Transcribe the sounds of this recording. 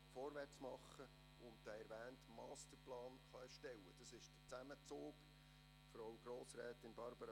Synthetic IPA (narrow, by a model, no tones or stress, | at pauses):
fɔːɾʋæt͡smɑχːə | ʊntd̥ɛɛɾvæːntmɑːstəɾplɑːnχɑɛʃtɛwəd̥ɑsɪʃd̥ət͡sæmət͡soːk | fɾowɡ̥ɾoːsɾɛːt̪ɪnbɑɾb̥əɾɑ